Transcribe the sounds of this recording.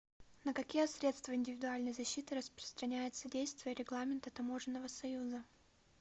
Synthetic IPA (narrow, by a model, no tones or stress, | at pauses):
nəkɐkʲijəsɾʲe̞t̪st̪vəɪnʲdʲɪvʲɪd̪ʊalʲnəjzɐɕːit̪ɨɾəspɾə̥st̪ɾɐnʲæjɪt̪sədʲejst̪vʲɪjəɾʲɪɡlˠamʲɪnt̪ət̪ɐmo̞ʐɨnːəvəsɐjuzə